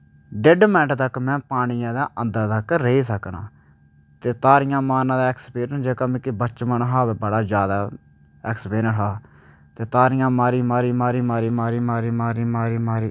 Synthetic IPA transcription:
ɖɪɖmɪnəʈt̪əkmɛ̃ːpaːɽ̃ijãːd̪aːʔənd̪əɾt̪əkɾeiːsəknã̰ː | t̪eːt̪aːɾɪjãːmaːnãːd̪aːɛkspiːɾənd͡ʒeːkəmĩːkɪbəːt͡ʃmənɦaːʋeːbəɽaːd͡ʒjaːd̪aː | ɛːkspeːnəɾɦaː | t̪eːt̪aːɾɪjãːmaːɾiːmaːɾiːmaːɾiːmaːɾiːmaːɾiːmaːɾiːmaːɾiːmaːɾiːmaːɾiː

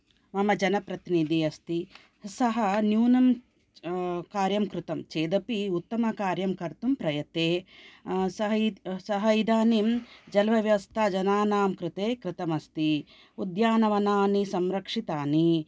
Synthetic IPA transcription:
mɐmɐd͡ʒɐnɐpɾɐt̪inid̪iɐst̪i | sɐɦɐnjuːnɐm | kaːɾjɐmkɾɪt̪ɐmt͡ʃeːd̪ɐpiut̪ːɐmɐkaːɾjɐmkɐɾt̪umpɾɐjɐt̪eː | sɐɦsɐɦɐid̪aːnimd͡ʒɐlʋɐʋjɐʋɐst̪ʰaːd͡ʒɐnaːnaːmkɾɪt̪eːkɾɪt̪ɐmɐst̪i | ud̪jaːnɐʋɐnaːnisɐmɾɐkʂit̪aːni

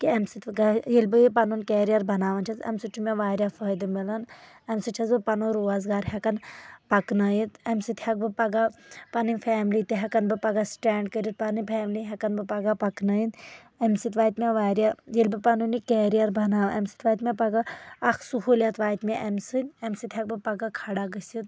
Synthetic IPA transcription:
kiɐmsit̪ɡajilʲbɨjipɐnunkeːɾijɐɾbʱɐnaːʋɐnt͡ʃʰɐsɐ̰msit͡ʃʰumʲaʋaːɾʲjafəːjd̪ɨmilɐn | ɐmsɨt͡ʃʰɐzbɨpɐnuɾuːaːzɡaːɾɦʲɛkɐnpɐknɐjit̪ɐmsɨt̪hɐk̚bɨpɐɡapɐnɨnʲpʰɛːmlit̪iɦɛkɐnbɨpɐɡasʈɛːɳɖkəɾʲit̪̚pɐnɨpʰɛːmliɦʲɛkɐnbɨpɐɡapɐknəjin | emsit̪ʋaːjt̪mʲaʋaːɾʲjajilʲbɨpɐnunikeːɾijɐɾbɐnaːʋɐmsi̥t̪ʋaːjt̪mʲepɐɡaɐkʰsuɦulʲjat̪ʋaːt̪mʲeʔɐmsɨnʲɐmsɨt̪ʰʲɦɐk̚bɨpɐɡakʰɐɽaɡəsʲit̪̚

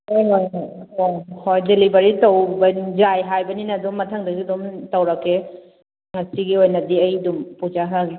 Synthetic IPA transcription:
ojŋojŋojoŋhojdelibɐɾitɐwbɐd͡ʒajɦajbɐninɐdumɐtʰɐŋdɐɡidumtɐwɾɐkːe | ŋɐsiɡiojnɐdiɐjdumpud͡ʒaɦaɡi

